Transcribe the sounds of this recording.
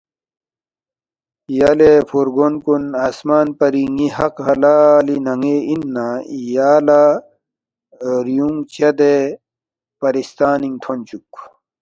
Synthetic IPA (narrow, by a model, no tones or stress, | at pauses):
jalepʰoɾɡonkunaːsmaːnpɐɾiŋihɐqhɐlaːlinɐŋeinːajaːla | ɾijuŋt͡ɕɐd̪e | pɐɾist̪aːniŋt̪ʰont͡ɕuk